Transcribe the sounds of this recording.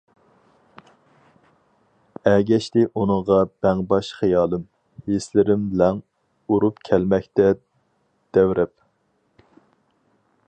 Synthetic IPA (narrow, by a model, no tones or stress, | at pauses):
ɛɡʲɛʃt̪ɪʔunɨŋʁɑb̥ɛŋbɑʃχijɑːlˠɨm | heslɪɾɪmbɪlɛŋ | uɾupkʲʰɛlmɛkʲt̪ɛ | d̪̥ɛwɾʔɛp̚